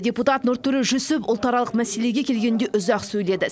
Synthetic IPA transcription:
dʲeput̪ɑt̪nʊɾt̪ʰːʏɾeʒɵsɪpʊlˠt̪ɑɾɑlˠəqmæse̞le̞ɡʲe̞kʲʰe̞lɡʲend̪e̞ʔʊzɑqsɵjle̞d̪ɪ

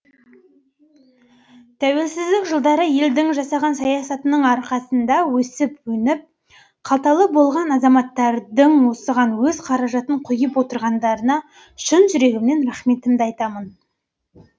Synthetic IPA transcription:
t̪ʰæwe̞lsɪzd̪ɪkʒəlˠd̪ɑɾəje̞ld̪ɪŋʒɑsɑʁɑnsɑjɑsɑt̪ənəɴɑɾqɑsənd̪ɑwɵsɪpwɵnɪp̚ | qʰɑlˠt̪ɑlˠəbo̞lˠʁɑnɑzɑmɑt̪ːɑɾd̪əɴwo̞səʁɑnwɵzqʰɑɾɑʒɑt̪əɴqʰʊjəpwo̞t̪əɾʁɑnd̪ɑɾənɑ | ʃʊnʒʏɾe̞ɡʲɪmne̞nɾɑχme̞t̪ɪmd̪ɑjt̪ɑmən

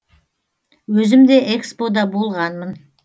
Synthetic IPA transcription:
wɵzɪmd̪eʔekspo̞d̪ɑbo̞lˠʁɑnmən

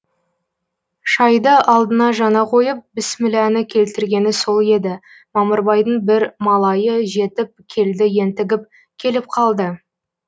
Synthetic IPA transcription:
ʃɑjd̪əɑlˠd̪ənɑʒɑnɑqʰo̞jəp̚bɪsmɪlænɪkʲʰe̞lt̪ɪɾɡʲe̞nɪso̞lˠe̞d̪ɪ | mɑməɾbɑjd̪əɴbɪɾmɑlˠɑjəʒe̞t̪ɪp̚kʲʰe̞ld̪ɪje̞nt̪ɪɡʲɪp̚ | kʲʰe̞lɪp̚qʰɑlˠd̪ə

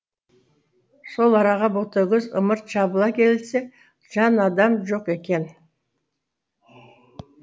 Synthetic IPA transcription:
so̞lˠɑɾɑʁɑbot̪əɡʲɪzə̰məɾt̪ʃɑbəlˠɑkʲʰe̞lɪlse | ʒ̥ɑnɑd̪ɑmʒo̞qe̞kʲe̞n

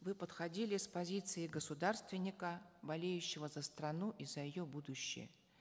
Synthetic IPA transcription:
vɨpət̪xɐdʲilʲɪspɐzʲit̪sɨɪɡəsʊd̪arst̪vʲɪnʲːɪkəbɐlʲejʉɕːɪvəzəst̪ɾɐnuʔizəjɪjobud̪ʊɕːɪ̰jə̰

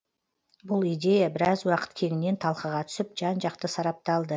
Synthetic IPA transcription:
bʊlˠijd̪e̞jabɪɾɑzwɑqə̥t̪kʲʰe̞ŋɪne̞nt̪ʰɑlˠqəʁɑt̪ʰʏ̥sɪp̚ʒɑnʒɑq̚t̪əsɑɾɑp̚t̪ɑlˠd̪ə

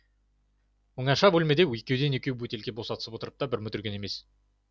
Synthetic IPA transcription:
oŋɑʃɑbɵlme̞d̪e̞wekʲe̞wd̪e̞nekʲewwɵt̪e̞lkʲebo̞sɑt̪əsəpwot̪əɾəp̚t̪ɑbɪɾmɵt̪ɪɾɡʲe̞ne̞me̞s

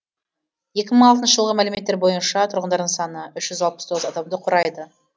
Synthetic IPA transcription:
je̞kʲɪməɴɑlˠt̪ənʃəʒəlˠʁəmælɪme̞t̪ːeɾbo̞jənʃɑt̪ʰʊɾʁənd̪ɑɾd̪əɴsɑnəʏʃʒ̥ʏzɑlˠpə̥st̪ʰoʁəzɑd̪ɑmd̪əqʰʊɾɑjd̪ə

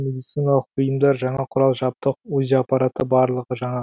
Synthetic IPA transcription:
med̪ijt̪sijnɑlˠəq̚bʊjəmd̪ɑɾʒɑɴɑqʰʊɾɑlˠʒɑp̚t̪əq̚ɵzɑpːɑɾɑt̪əbɑɾlˠəʁəʒɑɴɑ

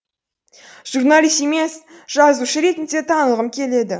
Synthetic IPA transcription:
ʒ̥urnalˠijst̪e̞me̞sʒ̥ɑzuʃəɾe̞t̪ɪnd̪e̞t̪ʰɑnəlˠʁəmkʲʰe̞le̞d̪ɪ

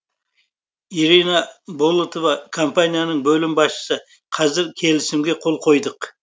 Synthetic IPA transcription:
iɾinɑbolˠut̪ovɑkʰo̞mpanʲijanəɴbɵlɪmbɑsʃə̥sə | qʰɑzɪɾkʲʰe̞lɪsɪmɡʲe̞qʰo̞lˠqʰo̞jd̪əq

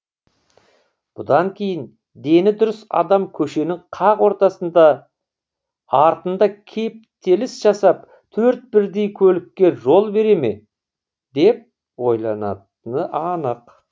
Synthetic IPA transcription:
b̥ʊd̪ɑŋkʲʰe̞jɪn | d̪e̞nɪd̪ʊɾʏsɑ̰d̪ɑmkʲʰɵʃe̞nɪŋqʰɑqwo̞ɾt̪ɑsənd̪ɑ | ɑɾt̪ənd̪ɑkʲʰe̞p̚t̪ʰe̞lɪsʒɑsɑp̚ | t̪ʰɵɾt̪̚bɪɾd̪e̞jkʲʰɵlɪkʲːe̞ʒo̞lˠbe̞ɾe̞me̞ | d̪e̞p̚ | wo̞jlˠɑnɑ̰t̪ənəʔɑnəq

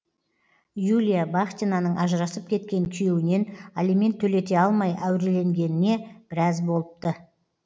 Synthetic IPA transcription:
julʲijabaχt̪ʲinanəɴʔɑʒəɾɑsəp̚kʲʰe̞t̪̚kʲe̞ŋkʲʰije̞wɪne̞nalime̞nt̪ʰːɵle̞t̪e̞ɑlˠmɑjæwɾe̞le̞ŋɡʲe̞nɪne̞b̥ɪɾɑzbo̞lˠəp̚t̪ə

